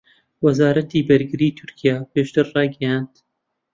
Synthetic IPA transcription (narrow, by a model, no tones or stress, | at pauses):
wɐzaːɾɐt̪iːbɐɾɡɨɾiːt̪ʰʊɾkʰijaːpʰeːʃt̪ɨɾrɑːɡɐjand̪̥